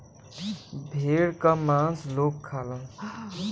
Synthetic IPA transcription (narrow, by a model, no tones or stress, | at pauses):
bʱeɽkəmãslokʰːalən